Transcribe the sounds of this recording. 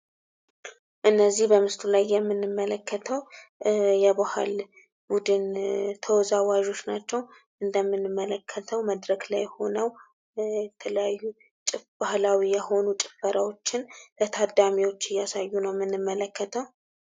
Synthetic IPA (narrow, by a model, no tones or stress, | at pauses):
ʔɨnːəzːihbəmɨst̪ʰulajːɛmːɨnːɨmːələkʰːət̪ʰəw | jɛbaha̰l | bud̪ɨnt̪ʰəwɔzawaʒo̞t͡ʃːnat͡ʃːɛw | ʔɨnd̪əmːɨnːɨmːələkʰːət̪ʰəwməd̪ɾəɡlajho̞nəw | jɛt̪ʰələjajːu | t͡ʃʼɪfbahlawijɛho̞nut͡ʃʼɪfəɾawo̞t͡ʃːɪnlət̪ʰad̪amiwo̞t͡ʃːɪjːasajːunəwmːɨnːɨmːələkːət̪ʰəw